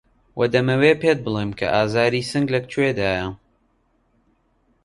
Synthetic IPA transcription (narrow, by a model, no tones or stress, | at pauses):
wʔɐd̪ɐmɐweːpeːt̪̚bɨlˠeːmkʰɐ̰ʔaːzaːɾisɨŋɡlɐk̚t͡ʃuweːd̪aːjɐ